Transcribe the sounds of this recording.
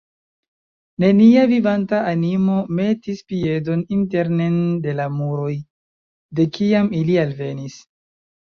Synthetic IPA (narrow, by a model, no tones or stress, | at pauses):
ne̞niavivantaanimo̞me̞tispie̞do̞ninte̞ɾnende̞lamuɾo̞j | de̞kiamilialve̞nis